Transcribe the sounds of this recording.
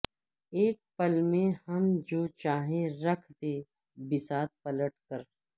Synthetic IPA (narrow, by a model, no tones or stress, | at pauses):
eːk̚pəlmẽhɐmd͡ʒoːt͡ʃaːɦẽɾɐkʰd̪e | bɪsaːt̪̚pələʈ̚kəɾ